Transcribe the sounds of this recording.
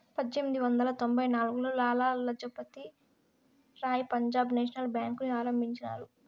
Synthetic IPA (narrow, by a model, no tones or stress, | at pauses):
pɐd̪emd̪iʋɐnd̪ɐlɐt̪o̞mbʱɐjnaːluɡuloːlaːlaːlɐd͡ʒɐpɐt̪i | ɾaːjipɐɲd͡ʒaːbneːʃ̬ɐnɐlbjaːŋkuniaːɾɐmbʱiɲt͡ʃɐna̰ːɾu